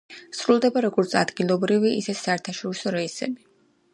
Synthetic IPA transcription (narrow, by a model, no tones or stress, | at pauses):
sɾulˠd̪ɛbaɾɔɡɔɾt̪sʰa̰d̪ɡilˠɔbɾiviisɛsaɛɾt̪ʰaʃɔɾisɔɾɛisɛ̰bi